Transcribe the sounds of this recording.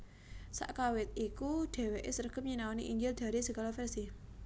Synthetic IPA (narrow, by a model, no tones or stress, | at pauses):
sa̰ʔkawɪt̪̚ikuɖ̪̥ɛ̤weʔesərɡ̥əp̚ɲinawaniʔiɲd͡ʒɪld̪̥a̤ɾisəɡalofɛrsi